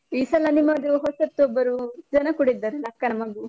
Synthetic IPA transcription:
iːsɐlɐnimːɐd̪uɦɔsɐt̪ːuɔbːɐɾud͡ʒɐnɐkuɽid̪ːaːɾelɐkːɐnɐmɐɡu

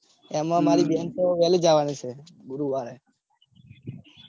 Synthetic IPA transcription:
emãmaɾibʱjansoʋɛled͡ʒaʋanit͡ʃʰe | ɡuɾuʋaɾe

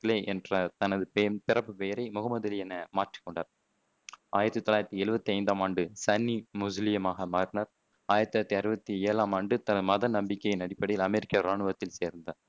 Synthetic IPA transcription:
leːʔɛndrɐt̪ɐnɐðɯpːpɪɾɐpːɯpeːɾɐɪmʊɣɐmɐðɐlɪɛnːɐmaːʈri̥kːɔɳɖaːɾ | aːjɪɾɐt̪ːɯt̪ːɔlaːjɾɐt̪ːiɛɻɯbɐt̪ːiɐɪnd̪aːmaːɳɖɯsɐnːimʊzlɪjɐmaːɣɐmaːɾnɐɾ | aːjɪɾɐt̪ːɐt̪ːiɐɾɯbɐt̪ːieːlaːmaːɳɖɯt̪ɐnɐðɯmɐðɐnɐmbɪkːɐjɪnɐɽɪpːɐɽɐɪjɪlɐmɛɾɪkːɐɾaːɳɯʋɐt̪ːɪlseːɾnd̪ɐ

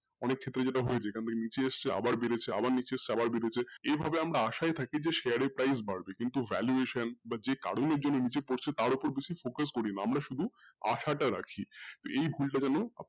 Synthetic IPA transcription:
ɔnekʰːet̪ːɾed͡ʑeʈaɦoet͡ɕʰekʰant̪ʰekenit͡ɕeeʃt͡ɕʰea̰baɾbeɾet͡ɕʰea̰baɾnit͡ɕeest͡ɕʰeabaɾbeɾet͡ɕʰeebʱabeamɾaaʃajt̪ʰakid͡ʑeʃeaɾepɾajs̬baɽbekint̪uvɛ̰ljueʃanbad͡ʑeka̰ɽoneɾd͡ʑonːonit͡ɕepoɾt͡ɕʰet̪aɾopoɾbeʃifokas̬koɾinaamɾaʃud̪ʱua̰ʃaʈaɾa̰kʰit̪oejbʱulʈad͡ʑɛnoa̰

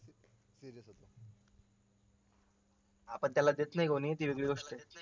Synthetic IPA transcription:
ɾəsot̪o | apəɳt̪jalad̪et̪naɦjɡʱonit̪iːʋeɡɭiːɡoʂʈe

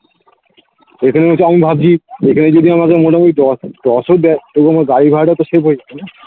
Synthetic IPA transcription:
ekʰaneɦot͡ɕʰeamibʱab̚t͡ɕʰiekʰaned͡ʑod̪iamakeɾmoʈemeɖɔɖɔsoɾd̪ɛtokuamaɡaɽibʱaɾʈat̪oʃebɦoeɡakʰana

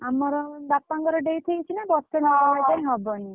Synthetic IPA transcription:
amɔɾɔbapaŋɡɔɾɔɖejt̪ʰijt͡ʃʰinabɔst̪ɔnɔɔbajpãĩɦɔbɔni

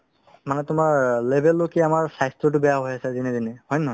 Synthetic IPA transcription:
manɛtʊmaɹlebʱelːokiamaɹsajstɹɔtʊbɛjaɦojasɛzinɛzinɛhɔjnɦɔj

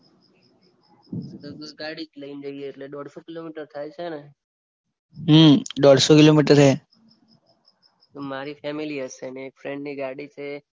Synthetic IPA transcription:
ɡaɽikləind͡ʒoieːʈleɗ̪ɔɽsokilomiʈəɾt̪ʰajt͡ʃʰene | ɦːɖ̪ɔɽsokilomiʈəɾɦe | omaɾifɛmiliəsemefɾeɳɖniɡaɽit͡ʃʰe

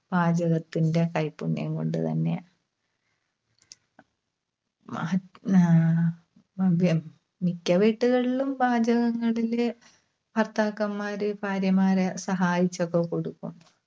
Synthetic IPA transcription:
b̥aːd͡ʑɐɣɐt̪ːinde̞kɐjpːunːjɐ̰ŋko̞̰ɳɖɨt̪ɐ̰nːe̞̰ | bɐ | mikʲːɐʋiʈːuɣɐɭilumbaːd͡ʑɐɣɐŋːɐɭil | pɐrt̪aːkːɐmːaːɾɨpaːɾjɐmaːɾesɐɦaːjit͡ɕːokːekoɽukːum

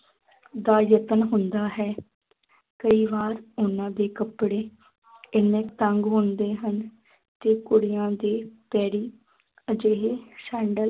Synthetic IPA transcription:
d̪aːjət̪ənɦʊnd̪aːɦɛː | kəiːʋaːɾʊnãːd̪eːkəpɽeː | ɪnẽːt̪əŋɡɦʊ̃nd̪eːɦən | t̪eːkʊɽɪjãːd̪eːpɛːɽiː | əd͡ʒeːɦeːsɛ̃ːɳɖəl

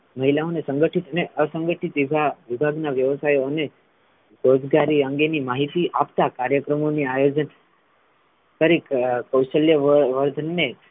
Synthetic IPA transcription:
məɦilaonesə̃ŋɡəʈʰit̪əneʔəsə̃ŋɡəʈʰit̪ʋibʱaʋɪbʱaɡnaʋjəʋəsajoəne | ɾod͡ʒɡaɾiəŋɡenimaɦit̪iʔapt̪akaɾjəkɾəmoniajod͡ʒən | k̪əɾikkəwʃəljəʋəɾd̪ʱənːe

